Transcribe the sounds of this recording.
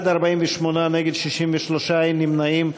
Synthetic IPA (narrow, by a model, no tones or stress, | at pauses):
d̪aʁbaimveʃmonaneɡed̪ʃiʃimveʃloʃaimnimnaim